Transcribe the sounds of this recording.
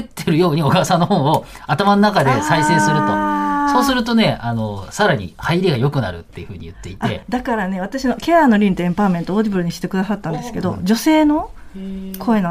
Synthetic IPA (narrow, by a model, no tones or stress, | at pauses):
t̪ːeɾɯ̟jo̞ːɲ̟ioɡaːsãnːo̞hõ̞ɰ̃o̞ | at̪amanonakad̪e̞saise̞ːsɨɾɯ̟t̪o̰so̞ːsɨɾɯ̟t̪o̞ne̞ano̞saɾaɲ̟ḭhaiɾʲiɡajo̞kɯ̟na̰ɾɯ̟t̪ːe̞jɯ̟ɸɯ̟ːɲ̟ḭjɯ̟t̪ːe̞it̪aḛd̪akaɾane̞β̞at̪aɕino̞kʲeanːo̞ɾʲĩːnt̪oẽmpaːment̪ooːd̪ibɯ̟ɾɯ̟ɲ̟iɕi̥t̪e̞kɯd̪asat̪ːãnd̪e̞sɨ̥ke̞d̪o̞̰d͡ʑo̞se̞ːno̞ | kʰo̞ena